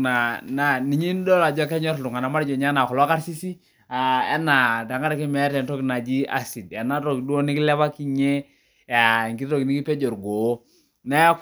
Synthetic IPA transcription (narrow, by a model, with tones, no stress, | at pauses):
na˨na˨ni˨ɲi˦n˦dɔ˦la˨d͡ʒɔ˦kɛ˦ɲɔ˦ɾtu˨ŋa˨na˨ma˦ɾd͡ʒɔ˨ɲa˦na˨kɔ˨lɔ˦a˦ka˦ɾsi˦si˦ | a˨ɛ˦na˨ta˨ŋɡa˦ɾa˨kɛ˦mɛ˨˦tɛ˨ntɔ˦kna˨d͡ʒi˦a̰˦si˨dɛ˨na˦ɾo˨ki˨du˦o˦ni˦ki˦lɛ˦ba˦ki˦ɲe˦ | a˨ŋɡi˦to˨ki˨ni˦ki˦pɛ˦d͡ʒo˨ɾɡo˨˦ | na˦